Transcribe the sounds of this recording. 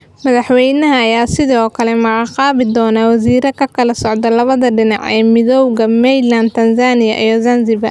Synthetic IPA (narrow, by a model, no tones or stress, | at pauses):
mɐðɑħwɛjnɐɦɐːjaːsɪðɔːkʰɐlɛmɐɣɑqɑːβɪd̪ɔːnawɐziːɾɐkʰɐkʰɐlɐsɔʕd̪ɐlɐβɐðɐɖɪnɑ̰ʕɛ̰ːmɪðɔwɣɐmɛjlɐnt̪ʰɐnzaːnɪjɐʔijɔzɐnzɪbɐ̰